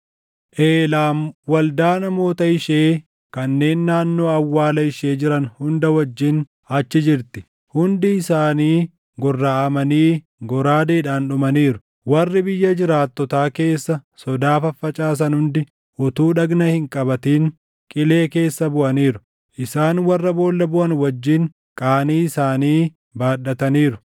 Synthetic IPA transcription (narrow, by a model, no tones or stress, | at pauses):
ʔeːlaːmwɐld̪aːnɐmo̞ːt̪ɐɪʃeː | kɐnːe̞ːnːaːnːo̞ːɐwːaːlɐɪʃe̞ːd͡ʒɪɾɐnhʊnd̪ɐwɐd͡ʒːɪn | ɐt͡ʃːɪd͡ʒɪɾt̪ɪ̥ | hʊnd̪ɪɪsaːniː | ɡɔrːaːʔɐmɐniː | ɡɔɾaːd̪eːᶑaːnᶑʊmɐniːɾʊ̥ | wɐrːɪbɪjːɐd͡ʒɪɾaːt̪ːɔt̪aːke̞ːsːɐsɔd̪aːfɐfːɐt͡ʃʼaːs̬ɐnhʊnd̪ɪ | ʔʊt̪uːᶑɐɡnɐhɪŋkʼɐbɐt̪iːŋ | kʼɪle̞ːke̞ːsːɐbʊʔɐniːɾʊ̥ | ʔɪsaːnwɐrːɐbo̞ːlːɐbʊʔɐnwɐd͡ʒːiŋ | kʼaːniːɪsaːniː | baːɗːɐt̪ɐniːɾʊ